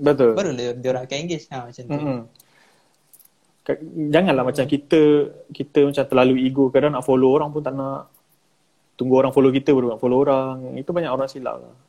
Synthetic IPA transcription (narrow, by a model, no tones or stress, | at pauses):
bət̪ʊlbaɾuldioɾakaiŋɡɪsãmat͡ʃam̩ | kad͡ʒaŋanlahmat͡ʃamkit̪əkit̪əmat͡ʃamt̪əlaluiɡokadaŋnaʔfoloːɾaŋpʊnt̪anaʔ | t̪uŋɡuoɾaŋfolok̬it̪əbaɾunaʔfoloːɾaŋit̪ubaɲaʔoɾaŋsila̰ʔla̰h